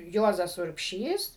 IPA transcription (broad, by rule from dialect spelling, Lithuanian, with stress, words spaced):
ˈjuɔzɐs ʊrʲpʲˈʃʲiːs